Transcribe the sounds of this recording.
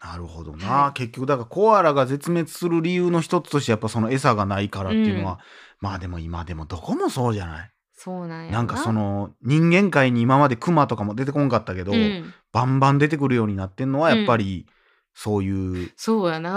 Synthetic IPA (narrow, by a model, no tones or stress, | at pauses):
naɾɯ̟ho̞̰d̪o̞̰naːke̞kʲːo̞kɯ̟d̪akaako̞βaɾaɡaze̞t͡sɨme̞t͡sɨ̥sɨɾɯ̟ɾʲijɯ̟ːno̞çi̥t̪o̞t͡sɨ̥t̪o̞ɕit̪eapːaso̞no̞e̞saɡanaikaɾat̪ːeiɯ̟no̞βa | maːd̪e̞mo̞imad̪e̞mo̞d̪o̞ko̞mo̞so̞ːʑana̰i | soːnãnãŋkaso̞no̞ɲ̟ĩŋɡẽ̞ŋkaiɲ̟iːmamad̪e̞kɯ̟mat̪o̞kamo̞d̪e̞t̪ekõŋkat̪ːake̞d̪o̞b̥ãmbãnd̪e̞t̪̬e̞k̬ɯ̟ɾɯ̟jo̞ːɲ̟inat̪ːe̞̟no̞β̞ajapːaɾʲi | so̞ːjɯ̟ːsoːjana